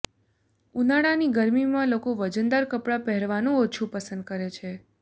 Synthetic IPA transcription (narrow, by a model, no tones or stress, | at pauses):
unaɽaniɡəɾmimãlokoʋəd͡ʒənd̪aɾkəpɽapɛɦɾʋanũot͡ʃʰũpəsənd̪̚kəɾet͡ʃʰe